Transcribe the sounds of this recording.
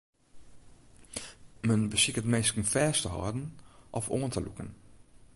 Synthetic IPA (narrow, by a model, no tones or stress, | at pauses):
mənbəsɪkətmeːstkənfɛːstəɦɔ̰ːdən̩ʔɔfoːəntəlṵkən